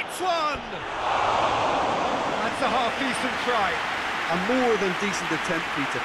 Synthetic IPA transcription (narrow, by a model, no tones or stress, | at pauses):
tswʌn | ðætsəɦɑˑfiˑsə̃v̥tʰɹ̥aɪ̥əmɔːðə̃ndiˑsə̃n̩tətʰɛ̃npʰiˑtə